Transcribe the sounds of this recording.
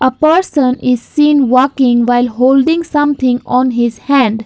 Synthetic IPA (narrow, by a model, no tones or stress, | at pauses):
ʔəpəɾsə̃nɪz̥sĩːnʋɔːkɪ̃ŋʋaɪlɦoːlɖɪ̃ŋsʌ̃mt̪ʰɪ̃ŋɔ̃ːnɦɪzhæ̃ɳɖ